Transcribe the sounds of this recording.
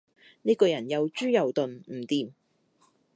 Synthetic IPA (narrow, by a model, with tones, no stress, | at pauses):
niː˥kɔː˧jɐ˨˩njɐ˨˧wt͡ʃyː˥jɐ˨wt̪ɵ˨nm̩˨˩t̪iː˧m